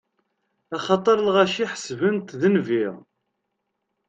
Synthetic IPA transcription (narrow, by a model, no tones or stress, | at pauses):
æχɑt̪ˤəɾˤlʁæʃiħə̥svənt̪ðənviʁ